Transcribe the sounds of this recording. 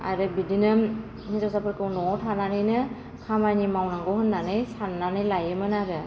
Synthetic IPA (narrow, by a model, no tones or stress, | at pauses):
a̰ɾɯbidinɯm | nizɔsapʰɯɾkɯwnɔtʰananɯjnɯ | kʰamanimawnaŋɡɔhɯnːanɯjsanːanɯjlajɯmɯnabɯ